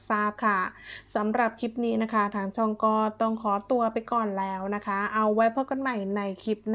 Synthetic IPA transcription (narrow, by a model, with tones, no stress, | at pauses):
saː˥˩p̚kʰa˥˩sa˩˦mɾa˨˩p̚kʰi˦˥p̚niː˦˥na˦˥kʰa˦˥t̪ʰaː˧˩ŋt͡ɕʰɔː˧ŋkɔː˧˥t̪ɔ˧˥˩ŋkʰɔː˩˦t̪u˧ɐpa˧jkɔː˨˩nlɛː˦˥wna˦˥kʰa˦˥ʔa˧wːa˦˥jpʰɔː˥˩kɔ˧˨nma˨˩jna˧jkʰi˦˥p̚n